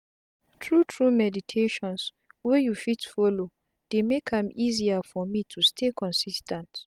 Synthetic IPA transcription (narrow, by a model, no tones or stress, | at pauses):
tʰɹutʰɹumɛditʰeʃɔ̃ns | wɛjufitfɔlo | d̥emekãmiziafɔmitʰustʰekʰɔ̃nsistʰɛ̃nt